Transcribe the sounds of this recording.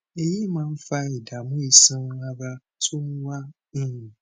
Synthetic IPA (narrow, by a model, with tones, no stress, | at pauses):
e˨ji˦mãː˦n̩˦fa˦i˨da˨mʊ̃˦i˨sĩ˦a˦ɾa˦ | tʰʊ˦n̩˦wa˦ | n̩˦ũ˨